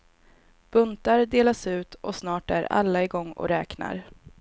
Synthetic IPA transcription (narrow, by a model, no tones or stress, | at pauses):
b̥ɵnt̪aɾd̪eːlasʉ̟ːt̪ʔɔsnɑːʈæɾa̰lːaɪɡɔŋːɔ̰ɾɛːkna̰ɾ